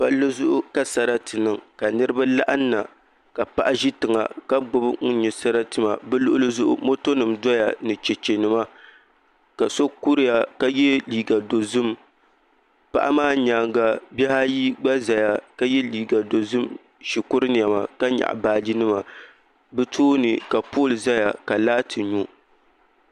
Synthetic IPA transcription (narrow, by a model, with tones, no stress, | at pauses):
pa˦lːɨ˦zʊ˦ʔʊ˦ka˦sa˨ɾa˦tɨ˨nɨ˨ŋka˨nɨ˦ɾɨ˦ba˦la˦ʔa˦nː˦a˨ | ka˨pa˦ʔa˦ʒi˦tɨ˨ŋa̰˨ka˦ɡ͡bʊ˦bŋ̩˦ɲɛ˨sa˦ɾa˦tɨ˨ma̰˨bɛ˦lʊ˦ʔʊ˦lɨ˦zʊ˦ʔʊ̰˦mo˦to˦nɨ˨mdɔ˦ja̰˨nɨ˨t͡ʃɛ˨t͡ʃe˨nɨ˨ma˦ | ka˨so˦ku˦ɾɪ˦ja˨ka˦jɛ˦liː˨ɡa˨do˨zɨ˦m˨ | pa̰˨ʔa̰˦maː˦ɲaː˨ŋɡa˨bɛ˦ha˦ji˦ɡ͡ba˦za˨ja˨ka˦jɛ˦liː˨ɡa˨do˨zɨ˦m | ʃi˨kʊ˦ɾɨ˦n˨ja˨ma̰˨ka˦ɲa̰˨ʔbaː˨d͡ʒi˦nɨ˦ma˨ | bɛ˦tʰoː˦nɨ˨ka˨poː˦˨lɨ˨za˦ja˨ka˨laː˦tʰɨ˨ɲu˦